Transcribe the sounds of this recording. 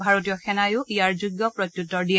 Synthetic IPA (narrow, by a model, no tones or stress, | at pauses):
bʱaɹot̬ijɔxɛnajʊʔijaɹzuɡjɔpɹɔtjutːɔɹdiɛ